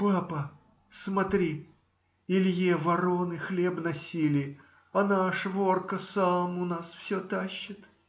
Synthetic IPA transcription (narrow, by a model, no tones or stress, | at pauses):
papə | smɐt̪ɾʲi | ɪlʲjevɐɾonɨxlʲebnɐsʲilʲɪ | ɐnaʂvorkəsamʊnasfsʲɵt̪aɕːɪt̪